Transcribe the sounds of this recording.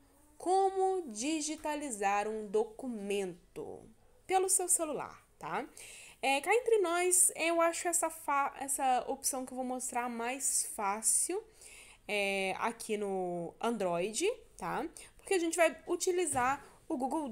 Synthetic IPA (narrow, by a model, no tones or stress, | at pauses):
kʰõmʊd͡ʒiʒit̪alizaɾũd̪okumẽnt̪ʊ̰ | pelʊsewselula̰ɾt̪a | ɛkaẽnt̪ɾɪnɔjsɛewaʃʊɛsɐfaɛsɐopsɐ̃w̃kɪewvowmost̪ɾaɾmajsfasiw | ɛa̰kʰinʊɐ̃nd̪ɾɔjd͡ʒɪt̪apo̥ɾkeaʒẽnt͡ʃɪvajut͡ʃilizaɾ | ʊɡuɡew